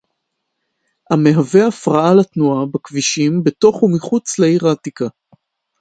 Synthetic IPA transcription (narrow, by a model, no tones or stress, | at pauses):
hame̞ɦave̞afʁaalatnuabakviʃimbe̞to̞χumiχut͡sleiʁatika